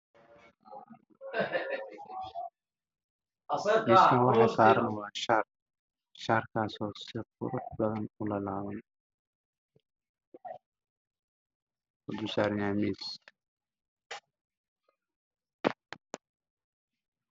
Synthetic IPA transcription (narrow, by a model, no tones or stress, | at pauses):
dɪːskʰɐwɑħɑsaːɾɐnwɑːʃar | ʃarkʰaːsɔːsɪfʊ̰ɾʊħbɐðɐnʊlɐlaːβɐn | ʊd̪ʊsaːɾnaːmiːs